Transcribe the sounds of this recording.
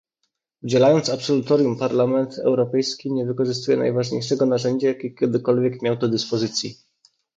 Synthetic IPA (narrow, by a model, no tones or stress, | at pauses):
ud͡ʑɛlajɔnt̪sapsɔlut̪ɔɾʲjumpaɾlamɛnt̪ɛ̰wɾɔpɛjskʲiɲɛvɘkɔʐɘst̪ujɛna̰jvaʐɲejʂɛɡɔnaʐɛɲd͡ʑajakʲekʲɛd̪ɘkɔlvʲjɛkmʲjawd̪ɔd̪ɘspɔzɘt̪sʲji